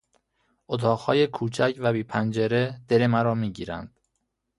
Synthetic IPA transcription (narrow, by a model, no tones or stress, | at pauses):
ʔot̪ʰɒːɣhɒ̰ːjekʰuːt͡ʃʰæcʰvæbiːpʰænd͡ʒeɾed̪̥elemæɾɒːmiːɟiːɾæ̰nd̪̥